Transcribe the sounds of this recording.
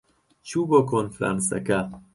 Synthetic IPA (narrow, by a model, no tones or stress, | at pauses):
t͡ʃʰuːbokʰonfɾa̰nsa̰ka